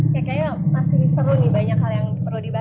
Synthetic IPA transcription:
jakajamasɪsəɾunɪbaɲakhaljaŋsəɾudiba

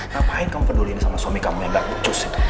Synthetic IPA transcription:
napaɪt̪kamupədulinisamaswamikamuŋjaŋdaʔkut̪ʊsit̪

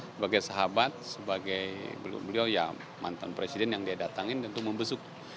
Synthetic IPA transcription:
səbaɡajsaɦabat̪̚səbaɡajbəl̰bəliawja̰ | ma̰nt̪anpɾesidɛnjaŋdiadat̪aŋɪndant̪ʊk̚məmbəsʊk̚

